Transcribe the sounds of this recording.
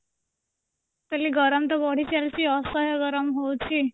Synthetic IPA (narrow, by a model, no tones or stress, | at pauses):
t̪eliːɡəɾəmt̪əbɔɽ̤iːt͡ɕjalt͡ɕiːɔsəɦjəɡəɾəmɦowt͡ɕi